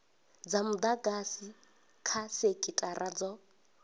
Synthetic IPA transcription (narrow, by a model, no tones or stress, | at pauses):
d͡zamud̪aɡasi | kʰasekʼitʼaɾad͡zɔ